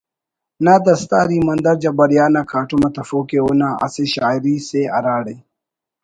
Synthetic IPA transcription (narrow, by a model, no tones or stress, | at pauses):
naːd̪ɐst̪aːɾimɐnd̪ɐɾd͡ʑɐbɐɾjaːnakʰaːʈumɐt̪ɐfoːkeonaɐ̰seɕaːjɾiseɐɾaːɽe